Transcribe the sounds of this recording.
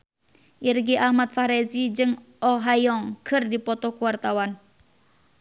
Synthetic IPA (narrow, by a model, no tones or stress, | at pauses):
ʔirɡiʔahmat̪̚faɾɛzid͡ʒɨŋʔɔɦajɔŋkʰɨrdipɔt̪ɔkuwart̪awan